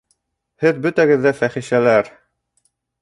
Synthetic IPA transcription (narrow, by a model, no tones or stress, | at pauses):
hɘðbɵ̆t̪æɡɘ̆ðːæfæχiʃælæɾ